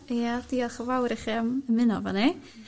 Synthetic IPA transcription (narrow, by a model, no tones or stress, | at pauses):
jad̥iaχəvawɾɛχiaməmɨnɔva̰ni